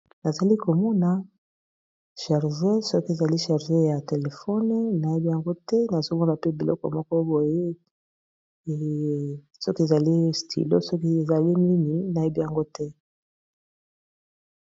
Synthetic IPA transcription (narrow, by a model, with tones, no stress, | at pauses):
na˨za˨li˦ko˨mɔ˦na˨ | ʃɛ˨ʁʒe˦sɔ˦ki˦e˨za˨li˦ʃɛ˨ʁʒe˦ja˨te˨le˨fɔ˦n˦na˨je˦bi˦ja˨ŋɡo˦tɛ˦na˨zo˦mɔ˦na˨pe˦bi˨lɔ̰˦kɔ̰˨mɔ˦kɔ˦bo˨je˦˨ | sɔ˦ki˦e˨za˨li˦stʰḭ˨lo̰˦sɔ˦ki˦e˨za˨li˦mi˦mi˨na˨je˦bi˦ja˨ŋɡo˦tɛ˦